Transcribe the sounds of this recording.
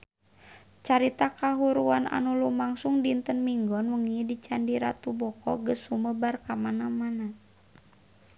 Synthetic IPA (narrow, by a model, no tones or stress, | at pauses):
t͡ʃaɾit̪akaɦuɾuana̰nulumaŋsuŋdint̪ənmiŋɡɔnwəŋidit͡ʃandiɾa̰t̪ubɔkɔ̰ɡəshuməbarkamanamana